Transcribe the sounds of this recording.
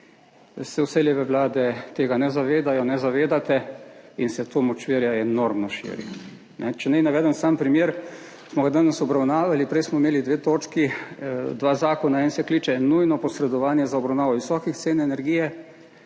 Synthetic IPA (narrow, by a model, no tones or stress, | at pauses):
sɛwseljɛʋɛʋlaːd̪ɛt̪eːɡanɛzaʋeːd̪ajɔnɛzaʋeːd̪at̪ɛinsɛt̪ʰoːmɔt͡ʃʋiɾjaɛnoɾmnɔʃḭːɾḭ | nʔɛt͡ʃɛnɛjnaʋɛːd̪ənsaːmpɾimjeːɾ | smɔɡad̪anasɔbɾawnaːʋalipɾɛjsmɔimeːlid̪ʋeːt̪oːt͡ʃkid̪ʋaːzaːkɔnaɛːnsɛkliːt͡ʃɛnujnɔpɔsɾɛd̪ɔʋaːnjɛzaɔbɾawnaːʋɔʋisɔːkixt̪seːnɛnɛɾɡiːjɛ